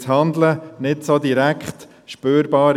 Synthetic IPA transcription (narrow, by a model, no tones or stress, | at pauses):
shɑnd̪lənɪtsod̪iɾækχt | ʃpøːɾbɑːɾ